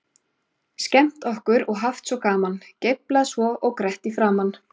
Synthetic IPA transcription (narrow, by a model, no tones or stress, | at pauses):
scɛm̥t̪ɔhkʏɾɔɣɦaft̪svɔkaːmanceplaðsvɔʔɔɣkɾɛht̪ifɾaːman